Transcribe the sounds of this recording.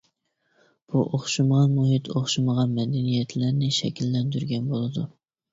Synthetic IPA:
b̥uʔoχʃumʁɑnmuɦɪt̪ʰoχʃuməʁɑnmɛd̪ɛnijɛt̪ʰlæɾnɪʃɛkʲilːɛnd̪yɾɡʲɛnbolˠɨd̪u

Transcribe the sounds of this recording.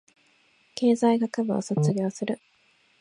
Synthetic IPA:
ke̞ːzaiɡakabɯ̟o̰sot͡sɨɡʲo̞ːsɨɾɯ̟

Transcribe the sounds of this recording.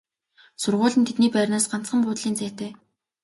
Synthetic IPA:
sʊrʁʊːɮɘ̆nt̪ʰet̪niːpærʲnaːsɢan̥t͡sχə̆mpʊːt̪ɮiːnt͡sæːt̪eː

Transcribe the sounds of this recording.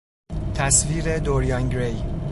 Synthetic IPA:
t̪ʰæsviːɾe̞d̪oɾjɒnɡɾej

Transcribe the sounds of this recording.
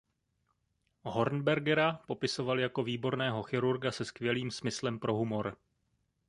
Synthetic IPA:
ɦo̞ɾnbɛɾɡɛɾapo̞pɪso̞valjako̞viːbo̞ɾnɛːɦo̞xɪɾuɾɡasɛskvjɛliːmsmɪslɛmpɾʔo̞ɦumo̞ɾ

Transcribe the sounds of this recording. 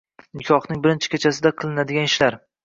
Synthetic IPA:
nɪkʲʰɒχnɪŋbɪɾɪnt͡ʃʰɪ̥kʲʰet͡ʃʰasɪd̪aqʰɨlˠɪnad̪ɪɡʲanɪʃlaɾ

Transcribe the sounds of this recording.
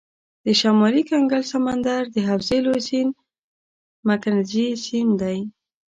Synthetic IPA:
d̪̥əʃamɑlikaŋɡalsamand̪aɾd̪əɦawzelosin | makanzisind̪aj

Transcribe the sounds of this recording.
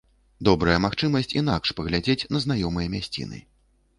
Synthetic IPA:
d̪ɔbɾɐjɐmaxt͡ʂɨmɐsʲt͡sʲinakʂpɐɣlʲad͡zʲet͡sʲnɐzn̪ajɔmɨjɐmʲasʲt͡sʲḭnɨ̰

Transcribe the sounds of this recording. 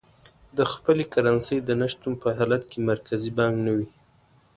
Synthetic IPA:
d̪əxpəlekaɾansəjd̪ənəʃt̪umpəɦɑlat̪kemaɾkʰazibɑŋɡnawi

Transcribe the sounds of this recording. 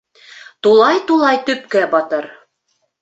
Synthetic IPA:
t̪ulˠɑjt̪ulˠɑjt̪ɵpkæbɑt̪ɤ̆ɾ

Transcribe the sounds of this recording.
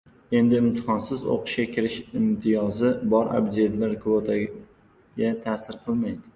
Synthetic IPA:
e̞nd̪ɪɪmt̪ʰɪ̥χɒnsɪzo̰qʰʊ̥ʃkʲakʲʰɪɾɪʃɪmt̪ʰɪjɒzɪbɒɾa̰bd͡ʒ̪ed̪laɾkʰvot̪ʰa | ɡʲat̪ʰasɪɾqʰɨlˠmajd̪ɪ

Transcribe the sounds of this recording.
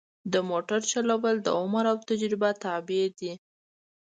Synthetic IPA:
d̪əmoʈaɾt͡ʃalawəld̪ə̰ʊmaɾawt̪ad͡ʒɾɪbat̪ɑbɪed̪i

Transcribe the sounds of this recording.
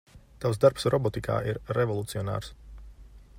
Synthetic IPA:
t̪awz̬d̪aɾpsɾɔbɔt̪ikʰa̰ːʔiɾɾevɔlˠut̪siɔna̰ːɾs

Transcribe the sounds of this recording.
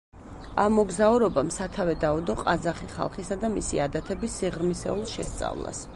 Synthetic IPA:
amɔɡzauɾɔbamsat̪ʰavɛd̪aud̪ɔqʼazaχiχa̰lˠχisad̪amisḭad̪at̪ʰɛbisːiʁɾmisɛ̰ulˠʃɛst̪sʼa̰vlˠa̰s

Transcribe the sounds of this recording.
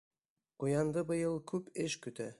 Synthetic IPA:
qujɑnd̪ɤbɤ̆jɤlˠkʰʉpɘʃkɵ̆t̪æ

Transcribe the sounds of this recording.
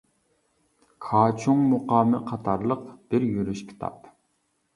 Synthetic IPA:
kʰɑːt͡ʃʰuŋmoqɑːmɨqʰɑt̪ʰɑɾlˠəqb̥ɪɾjyɾyʃkʲʰi̥t̪ʰɑ̰p

